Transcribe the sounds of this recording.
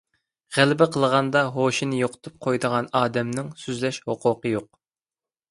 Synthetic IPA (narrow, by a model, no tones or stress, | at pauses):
ʁælɪbɪqʰəlˠʁɑnd̪ɑɦoʃinɪjoqʰə̥t̪ʰup̚qʰojd̪əʁɑnɑːd̪ɛmnɪŋsyzlɛʃhoqʰʊqəjoq̚